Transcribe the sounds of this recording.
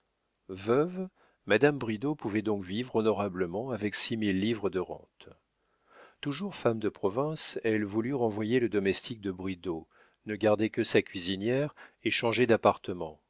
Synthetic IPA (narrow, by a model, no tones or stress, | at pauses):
vœv | mad̪ambʁid̪opuvɛd̪ɔ̃kvivʁɔnɔʁabləmɑ̃avɛksimilːivʁəd̪əʁɑ̰̃t̪ | t̪uʒuʁfamd̪əpχɔvɛ̃sɛlvulyʁɑ̃vwajeləd̪ɔmɛst̪ʰik̚d̪əbʁid̪o | nəɡaʁd̪ekəsakʲɥizinjɛʁeʃɑ̃ʒed̪apaʁt̪əmɑ̃